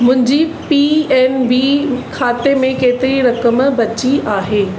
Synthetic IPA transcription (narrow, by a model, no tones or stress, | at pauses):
mʊ̃ɦɪ̃ɲd͡ʑipiɛːnbikʰaːt̪emẽkeːt̪ɪɾiɾɐkəmbɐt͡ɕiaːɦeː